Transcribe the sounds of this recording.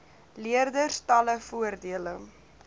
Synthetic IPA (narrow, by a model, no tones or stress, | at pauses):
liərdərstɐləfuərdiələ